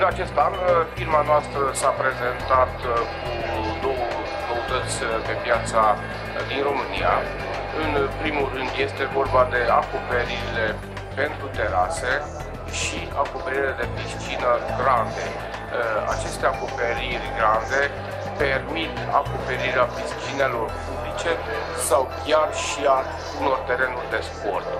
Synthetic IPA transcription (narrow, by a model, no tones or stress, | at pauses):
ɨnat͡ʃe̞st̪anfirmanoast̪ɾəsapɾe̞ze̞nt̪at̪kud̪o̞wə | kəut̪ət̪sʲp̪e̞pjat̪sa | d̪inro̞mɨnija̰ | ɨnpɾimulːɨnd̪je̞st̪e̞vo̞rbad̪e̞akope̞ɾiɾile̞ | pe̞nt̪ɾut̪e̞ɾase̞ | ʃi | ako̞peɾiiled̪e̞pɾiʃt͡ʃinəɡɾand̪e̞ | a̰t͡ʃe̞st̪eako̞pe̞ɾirʲɡɾand̪e̞ | pe̞rmit̪a̰ko̞pe̞ɾiɾeapɾiʃt͡ʃine̞lo̞rpublit͡ʃe̞ | sawkʲjarʃia | uno̞rt̪e̞ɾe̞nurʲd̪e̞spo̞rt̪̚